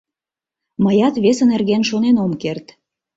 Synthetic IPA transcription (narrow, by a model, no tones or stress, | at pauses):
məjɑt̪βesənerɣenʃonenomkert̪